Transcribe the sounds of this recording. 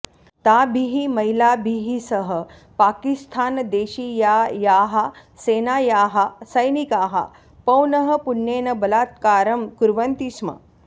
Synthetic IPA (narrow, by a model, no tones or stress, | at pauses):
t̪abʱiɦimɐilabʱiɦisəɦə | paːkist̪ʰaːnd̪eːɕijajaːɦaseːnaːjaːɦasəjnikaːɦa̰ | pɐwnəɦəpunːeːnɐbɐlaːt̪̚kaːɾɐmkuɾʋənt̪isma̰